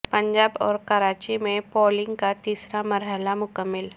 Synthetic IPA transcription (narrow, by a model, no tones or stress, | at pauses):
pə̃ɲd͡ʒaːbɔːɾkɐɾaːt͡ʃimẽpɔːlɪ̃ŋɡ̚kat̪iːsɾamɐɾɦəlamʊkəmːɪl